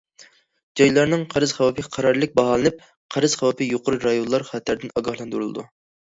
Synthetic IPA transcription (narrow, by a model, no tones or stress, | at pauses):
d͡ʒɑjlˠɑɾnɨŋqʰɑɾɨzχæwɑpʰɨqʰɑɾɑɾlˠɨk̚ʲbɑɦɑlˠɨnɨp̚ | qʰɑɾɨz̥χæwɑpʰɨjoqʊɾuɾɑjonlˠɑɾχɑt̪ʰːæɾd̪ɪnɑɡɑhlˠɑnd̪uɾlˠɨ̰d̪u